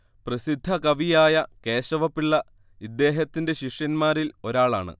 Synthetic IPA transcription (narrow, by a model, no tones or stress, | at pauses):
prɐsid̪ʱːɐkɐʋijaːjɐke̞ːɕɐʋɐpːiɭːɐ | id̪ːe̞ːɦɐt̪ːinde̞ɕiʂjɐnmaːɾilo̞ɾaːɭa̰ːɳɨ̰